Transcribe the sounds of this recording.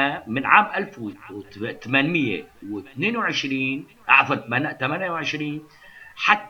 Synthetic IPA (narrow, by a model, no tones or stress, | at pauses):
amɪnʕaːmʔalfw | t̪amanmɪjːḛwɪt̪neːnwʕɪʃɾiːn | ʔa̰ʕðˤɑɾt̪mant̪amanjawʕɪʃɾiːn | ħat̪ː